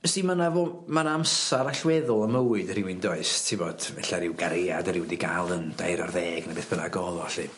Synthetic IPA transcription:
siːmənavoː | manamsaɾaɬwɛðʊlˠəməwɨdəɾɪwɪndɔɨstʰɪvɔd̥vɛɬaɾɪwɡaɾeadəɾɪwdiɡalˠənd̥ajɾɔrðɛːɡnabeːθb̥əna̰ɡɔðˠɔɬi

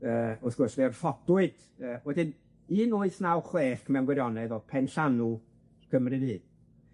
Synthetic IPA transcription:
əːʊθɡ̥ʊrsveɔrfɔd̥ʊɨd̥ | əːwɛdɪn | iːnʊɨθnawχleːχmɛwnɡwɛɾjɔnɛðɔpʰɛnɬanu | kʰəmrɨðɨːn

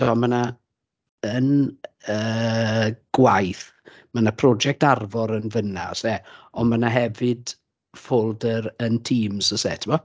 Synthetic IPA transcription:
d̥ɔməna | ənəː | ɡ̥wajθ | manapʰrɔd͡ʒɛk̚tarvɔɾənvəna̰sɛɔnmanaɦɛvɨd | foːlˠdəɾəntʰiːmzəsɛ̰tʰəmɔ

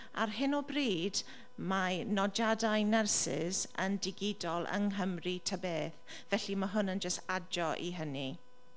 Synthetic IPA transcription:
a̰rɦɪnɔbriːd | manɔd͡ʒadajnɛrsɪ̰z̥ə̰ndɪɡɪdɔlˠʔə̰ŋɦəmritʰəbeːθ | vɛɬimaɦʊnənd͡ʒəstad͡ʒɔʔiɦəni

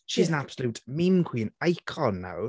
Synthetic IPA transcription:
ʃizə̃nab̥səluːˑʔmĩmkʰwiːə̃naɪkʰɔnːa̰w

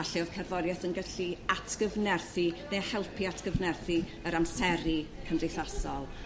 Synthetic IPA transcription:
aɬiɔv̥kʰɛrvɔdjɛθənɡəɬiatʰɡ̥əvnɛrθinehɛlˠpʰiatʰɡ̥əvnɛrθi | əɾamsɛɾikʰənrejθasɔlˠ

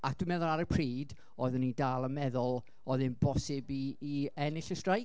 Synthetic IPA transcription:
akd̥wimɛðʊlˠaɾəpʰriːd | ɔːɨðʊnidaːlˠəmɛðʊlˠ | ɔðɨnbɔsɪbiːɛnɪɬəstraj

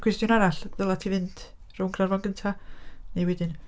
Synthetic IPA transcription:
kʰwɛstjʊnaɾaɬvəlˠatʰivɨnd̥ | rʊwŋkʰrarvɔnɡəntʰanejwɛdɪn

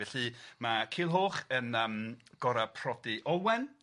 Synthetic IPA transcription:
ɛɬɨmakʰiːlˠɦoːχənəmɡ̥ɔɾapʰrɔdiʔɔwɛn

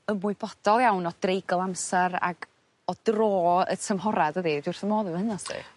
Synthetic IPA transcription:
əmʊɨbɔd̥ɔlˠjawnɔd̥rejɡɔlˠamsɛɾa̰ɡ̥ | ɔd̥roːə̰tʰəmɦɔɾadəðidwɪrθəmoːðɨhənɔsdḭ

